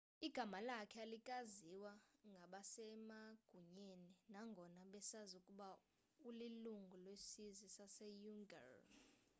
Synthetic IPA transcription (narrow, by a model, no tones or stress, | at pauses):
iɡ̥ʱamalakʰɛalikʼaziwaŋɡʱaɓasɛmaɡ̥ʱuɲeninaŋɡʱɔnaɓɛsazukʼuɓa | uliluŋɡʱulwesizisasɛjuŋɡa̰r